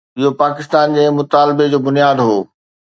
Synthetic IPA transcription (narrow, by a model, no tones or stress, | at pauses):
ɪɦopaːkɪst̪aːnd͡ʑeːmʊt̪aːlbed͡ʑoːbʊnijaːd̪ɦoː